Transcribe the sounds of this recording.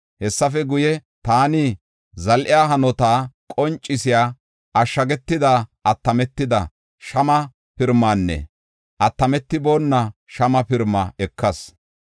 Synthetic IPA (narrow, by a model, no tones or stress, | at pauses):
hɛsːɐfɛɡʊjɛ | t̪aːni | zɐlʔɪjaːɦɐnɔt̪aːkʼɔnt͡ʃʼːɪsɪjaː | ɐʃːɐɡɛt̪ːɪd̪aːʔɐt̪ːɐmɛt̪ːɪd̪ɐ | ʃɐmɐ | pɪɾmːaːnːɛ̰ | ʔɐt̪ːɐmɛt̪ːɪbo̞ːnːɐʃɐmɐpɪɾmːɐ̰ɛkʰːɐs